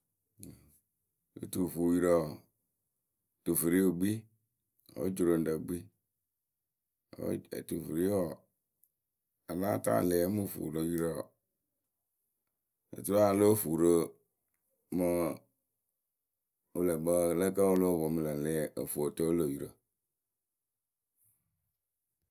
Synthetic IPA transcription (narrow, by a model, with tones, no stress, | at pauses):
o̰˨tu˨fu˨ji˦ɾə˨ | tu˨fi˨ɾi˦o˨ɡ͡bi˦ | o̰˦d͡ʒu˨ɾo˨n̩˦da˨ɡ͡bi˦ | o̰˦ḛ˨tu˨fi˨ɾi˦wɔ˨ | a˨nã˦ta̰˦˨le˨e˦mu˦˨fṵ˨ɾo˨˦ji˦ɾə˦˨ | a̰˨tu˦ɾa˦a˨lo˦fu˨ɾə˦ | mə˦ | o˦lə˨bə˦lə˦ka˦o˦lo˦˨vɔ˨m˨lə˨le˨o˨fu˨o˨to˦o˦lə˨ji˨ɾə˨